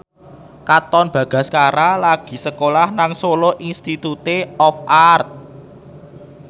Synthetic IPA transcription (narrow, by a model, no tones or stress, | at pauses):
kat̪ɔnb̥ä̤ɡ̥a̤skaɾalaɡ̥i̤səkolahnaŋsoloʔinst̪it̪ut̪eɔfʔart̪̚